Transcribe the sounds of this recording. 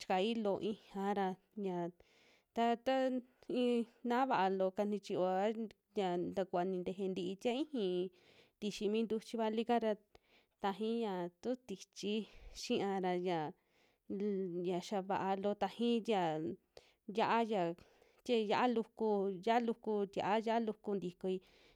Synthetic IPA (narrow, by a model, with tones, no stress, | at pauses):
t͡ʃi̥˧ka˨i˦lo˧ʔĩ˧hã˧ɾa˧ | ja˨ | t̪a˧t̪a˦ĩ˧nã˦βa˧ʔa˧lo˧ka˧n̥ĩ˧t͡ʃi˧o˧a˦ | ja˨nd̪a˧kʷa˧nĩ˧nd̪e˧ɦe˧nd̪i˧ʔi˧t̪ja˦ĩ˦hĩ˧ | t̪i˧ʃi˧mĩ˦nd̪u˧t͡ʃi˧βa˧li˦ka˦ɾa˧ | t̪a˧ɦĩ˦jã˨t̪u˦t̪i˧t͡ʃi˦ʃĩ˦ʔã˧ɾa˧ja˨ | ja˨ʃa˧βa˧ʔa˧lo˧t̪a˧hĩ˦t̪ʲja˧˨ | ja˧ʔa˦ja˨ | t̪ʲe˦ja˧ʔa˦lu˧ku˧ja˦ʔlu˧ku˧t̪ʲa̰˨ʔa˦ja˦a˦lu˧ku˧nd̪i˧ko˧i˧